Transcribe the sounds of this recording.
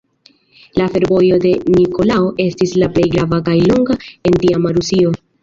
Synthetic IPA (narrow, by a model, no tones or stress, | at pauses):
lafe̞ɾvo̞jo̞de̞niko̞lao̞ʔe̞stislaple̞jɡɾavakajlo̞ŋɡae̞ntiamaɾusio̞